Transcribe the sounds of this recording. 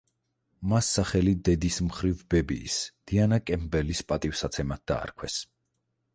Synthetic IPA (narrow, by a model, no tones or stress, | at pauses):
masːaχɛlid̪ɛd̪ismχɾivbɛbḭːsd̪̥ianakʼɛmbɛlispʼat̪ʼivsat̪sʰɛmat̪̚d̪a̰ːɾkʰwɛs